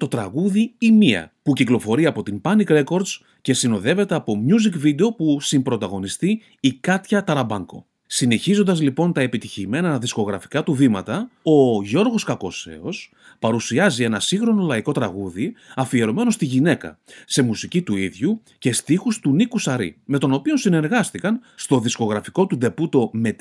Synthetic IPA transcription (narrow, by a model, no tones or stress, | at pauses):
t̪o̞t̪ɾɐɣuðiimiɐ̰puciklo̞fo̞ɾiɐpo̞t̪impɐnikɾe̞ko̞ɾd̪z | ce̞sino̞ðe̞ve̞t̪e̞ɐpo̞mɲuzikvid̪e̞o̞pusimbɾo̞t̪ɐɣo̞nist̪iː | kɐt̪çɐt̪ɐɾɐbɐŋɡo̞̰ | sine̞çizo̞nd̪ɐzlipo̞nt̪ɐepit̪içime̞nɐðisko̞ɣɾɐfi̥kɐt̪uvimɐ̰t̪ɐo̞ʝo̞ɾɣo̞skɐko̞se̞̰o̞s | pɐɾusiɐzie̞nɐsiŋxɾo̞no̞lɐiko̞t̪ɾɐɣuðiɐfieɾo̞me̞no̞st̪iʝine̞kɐ̰se̞musicit̪uiðʝu | ce̞st̪ixust̪unikusɐɾḭme̞t̪o̞no̞pionsine̞ɾɣɐst̪ikɐn | st̪o̞ðisko̞ɣɾɐfiko̞t̪ud̪e̞put̪o̞me̞t̪